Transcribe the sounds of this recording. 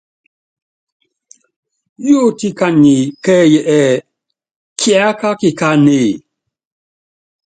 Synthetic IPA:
jo˦˨ti˦ka˨ni˨kɛ˦jɛ˨ʔɛ˨ | kʰja˦ka˦ki˦ka˦neː˨

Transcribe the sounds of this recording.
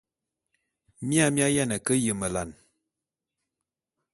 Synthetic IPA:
mja˦mja˦ja˦nə˨kə˦jə˨mə˨la˨n

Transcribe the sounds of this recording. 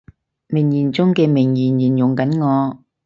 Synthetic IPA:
mɪ˨˩ŋjiː˨˩nt͡sʊ˥ŋkɛː˧mɪ˨˩ŋjiː˨˩njiː˨˩njʊ˨˩ŋkɐ˨˥nŋɔː˨˧

